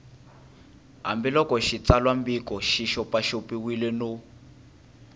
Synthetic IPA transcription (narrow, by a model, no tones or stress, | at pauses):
ɦa̰mbɛlɔkɔʃit͡salwambikɔʃiʃɔpaʃopiwilɛno